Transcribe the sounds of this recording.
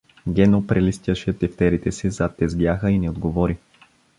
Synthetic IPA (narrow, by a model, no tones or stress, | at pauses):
ɡʲɛnopɾɛlist̪ʲjəʃɛt̪ɛft̪ɛɾit̪ɛsizat̪ːɛzɡjaxəinɛod̪ɡovɔɾi